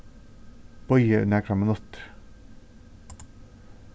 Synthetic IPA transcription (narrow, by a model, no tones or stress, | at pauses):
b̥ɔʏəʉnəkʰɾɑmənɔt̪